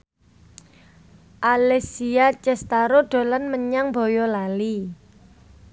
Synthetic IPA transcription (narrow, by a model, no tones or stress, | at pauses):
ʔalɛsiat͡ʃɛst̪aɾoɖ̥o̤lanməɲaŋbo̤jɔlali